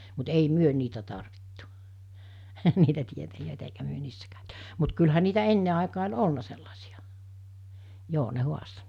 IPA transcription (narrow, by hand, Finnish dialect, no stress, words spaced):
mut ei myø niːtæ tɑrʋitːu niːtæ tietæjøˑetæ eikæ myø niːsːæ kæˑøty mut kylhæ niːtæ enːe ɑˑekɑː olʲ olnɑ selːɑsij̆ɑ joː ne huɑsto